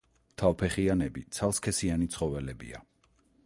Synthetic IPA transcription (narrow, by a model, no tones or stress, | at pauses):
t̪ʰapʰɛχianɛbit̪sʰalˠskʰɛsianit̪sʰχɔvɛlɛbḭa̰